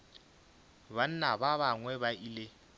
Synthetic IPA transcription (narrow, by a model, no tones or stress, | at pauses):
βan̩nabaβaŋwɛβailɪ